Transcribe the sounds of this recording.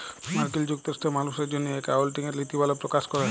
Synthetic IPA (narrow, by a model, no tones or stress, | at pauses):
maɾkild͡ʑukt̪oɾsʈ̪emaluʃeɾd͡ʒonːeekawlʈiŋeɾlit̪ibalapɾokaʃkɔɾa